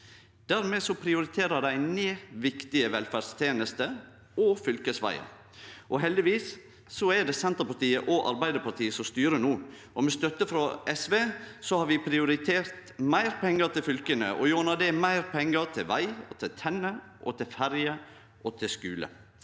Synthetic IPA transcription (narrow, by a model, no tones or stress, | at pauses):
d̪æɾmɛsɔpʰɾɪʊɾɪt̪ʰeːɾəd̪æɪneːʋɪkt̪ɪəʋɛlfæɖst̪ʰjeːnəst̪ə | ɔfʏlkəsʋæ̰ɪə̰ɾ | ʔɔɦɛld̪ɪʋiːsː | ɔɛɖ̪ɛsɛnt̪əɾpɑʈ̪iːəʔɔʔɑ̰ɾbæɪd̪əpɑɾt̪ʰiːəsɔmst̪yːɾənuː | ʔɔmɛst̪œt̪əfɾɔɛsʋeːsɔhɑɾʋɪpʰɾɪʊɾɪt̪ʰeːɾt̪mæɪɾpʰɛŋːəɾt̪ʰɪlfʏlkənə̰ʔɔ̰juːnɑd̪ɛmæɪɾpʰɛŋːəɾt̪ʰɪlʋæɪɔt̪ʰɪlt̪ʰɛnːə | ʔɔt̪ʰɪlfæɾjə | ʔɔt̪ʰɪskʉːlə̰